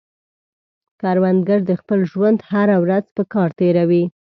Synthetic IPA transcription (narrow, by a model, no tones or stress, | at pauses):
kɑɾwand̪ɡaɾd̪əxpəlʒwand̪haɾawɾazpəkɑɾt̪eɾawi